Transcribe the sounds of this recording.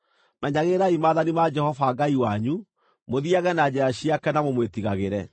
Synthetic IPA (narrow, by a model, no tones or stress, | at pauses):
mɛɲaɣeɾaimaːðanimad͡ʒɛhɔfaɡaiwaɲu | moðiaɣɛnad͡ʒɛɾaɕiakɛnamomwetiɣaɣeɾɛ